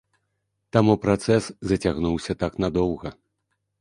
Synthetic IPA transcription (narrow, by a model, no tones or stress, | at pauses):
t̪amupɾat̪sɛszɐt͡sʲaɣnuwsʲɐt̪aknad̪ɔwɣɐ